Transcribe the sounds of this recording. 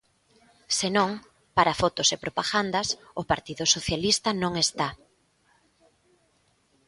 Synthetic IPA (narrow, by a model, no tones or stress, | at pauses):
senõŋ | paɾafɔt̪osepɾopaɣand̪ɐsʊpaɾt̪iðʊsoθjalist̪ɐnõŋest̪a